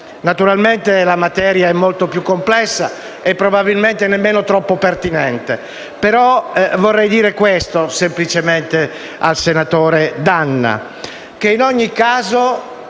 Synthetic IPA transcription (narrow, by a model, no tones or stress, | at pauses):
nat̪uɾalment̪elamat̪ɛːɾjaɛmːolt̪opjukːomplɛsːa | epːɾobabilment̪enemːeːnot̪ɾɔpːopert̪inɛnt̪ḛ | peɾɔvorːɛjd̪iːɾekwest̪osemplit͡ʃement̪e | a̰lsenat̪oːɾed̪anːa̰ | k̟einɔɲːikːaːzo